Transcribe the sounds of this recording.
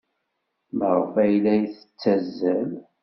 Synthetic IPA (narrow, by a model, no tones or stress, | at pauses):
məʁəfæjlæjθə̥t͡sːæzːəl